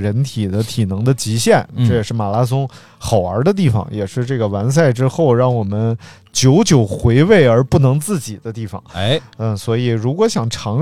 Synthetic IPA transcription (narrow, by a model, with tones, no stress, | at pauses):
ɻə˧˥nt̪ʰi˨˩d̪ə˦t̪ʰi˨˩nɤ˧˥ŋd̪ə˧t͡ɕi˧˥ɕjɛ˥˩nʈ͡ʂɤ˥˩jɛ˨˩ʂɻ̩˥˩ma˨˩la˥s̬ʊ˥ŋ | xɑ˨˩ʊə̰˞˧˥d̪ə˧t̪̬i˥˩fɑ̰˨˩ŋjɛ̰˨˩ʂɻ̩˥˧ʈ͡ʂɤ˥˩ɡə˩wa˧˥ns̬a˥˩ɪʈ͡ʂɻ̩˥xo˥˧ʊɻɑ˥˩ŋwɔ˨˩mə˦n | t͡ɕjo˧˥ʊt͡ɕjo˨˩ʊxwe˧˥ɪwe˥˩ɪə˞˧˥pu˥˩nɤ˧˥ŋt͡sɹ̩˥˩t͡ɕi˨˩d̪ə˦t̪i˥˩fɑ̰˨˩ŋə˥˩swɔ˧˥i˨˩ɻu˧˥kwɔ˧˥ɕjɑ˨˩ŋʈ͡ʂʰɑ˧˥ŋ